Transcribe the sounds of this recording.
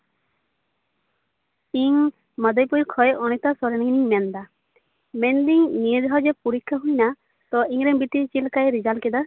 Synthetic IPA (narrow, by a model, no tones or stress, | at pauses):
iŋ | məd̪əjpɔjkʰɔjʔɔñɛt̪asɔɾɛniŋniŋmɛnd̪a | mɛnd̪iŋnied͡ʒɔɦad͡ʒepuɾikʰːaɦujna | t̪ɔiŋɾɛbiʈit͡ʃilkajɾid͡ʒalkɛd̪a